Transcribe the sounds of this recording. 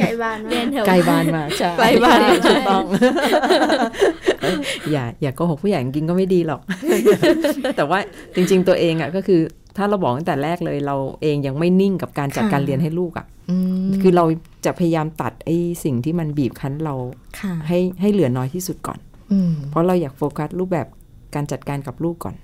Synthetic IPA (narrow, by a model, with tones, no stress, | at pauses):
aː˧˩˧kla˧˩jbaː˥˩nmaː˧t͡ɕʰa˥a˧baː˥˧n˧˥˩t̪u˨˩k̚t̪ɔ˥˩ŋ˧˩ | jaː˨˩jaː˨˩kɔ˨˧˩hɔ˨˩pʰu˥˨ja˨˩ja˨˩ŋki˧nk̬ɔ˥˩ma˥˩jdiː˧lɔ˨˩k̚ | t̪ɛː˨˩waː˥˩t͡ɕi˧ŋt͡ɕi˧ŋt̪u˧əʔeː˧ŋʔa˨˩kɔː˥˩kʰɯː˧ | t̪ʰaː˥˩ɾa˧wbɔː˨˩k̚t̪a˥ŋt̪ɛː˨˩ɾɛː˥˩k̚lɤː˧jɾa˧wʔeː˧ŋja˧ŋma˥˩jni˥˩ŋka˨˩p̚kaː˧nt͡ɕa˨˩t̪̚kaː˧nli˧ənɦa˥˩jluː˥˩k̚ʔa̰˨˩ʔ | kʰɯː˧ɾa˧wt͡ɕa˨˩pʰa˧ja˧jaː˧mt̪a̰˨˩t̪̚ʔa˥˩jsi˨˩ŋt̪ʰiː˥˩ma˧nbiː˨˩p̚kʰa˦˥nɾa˧wkʰɦa˥˩jɦa˥˩jlɯ˨˩˦ənɔː˧˦jt̪ʰiː˥˩su˨˩t̪̚kɔ̰ː˨˩n˧ | pʰɔ˦˥ɾa˧wjaː˨˩k̚foː˧kʰa˦˥t̪̚ɾuː˥˩p̚bɛː˨˩p̚ | kaː˧nt͡ɕa˨˩t̪̚kaː˧nka˨˩p̚luː˥˩kːɔ̰ː˨˩n